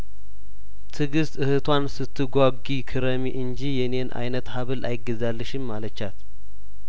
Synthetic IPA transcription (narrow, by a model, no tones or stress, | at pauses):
t̪ʰɨɡɨst̪ɨhɨt̪ʰwansɨt̪ʰːɨɡʷaɡikʰɨɾəmiʔɨnd͡ʒijɛne̞nʔa̰jnət̪haβɨlʔa̰jɪɡːəzalːɨʃɪmːalət͡ʃːat̪